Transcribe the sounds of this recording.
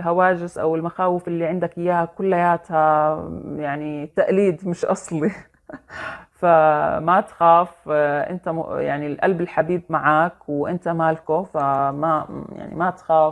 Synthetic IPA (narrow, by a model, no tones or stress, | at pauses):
lɦawaːd͡ʒɪsʔa̰wɪlmaxaːwɪfʔɪlːiʕɪnd̪akʔɪjːaːhakʊlːajaːt̪ha | jaʕnit̪aʔliːd̪mɪʃʔɑsˤli | famat̪xaːfʔɪ̰nt̪aja̰ʕnilʔa̰lbɪlħabiːbmaʕaːkwɪʔɪnt̪amaːlkʊfamaja̰ʕnḭmat̪xaːf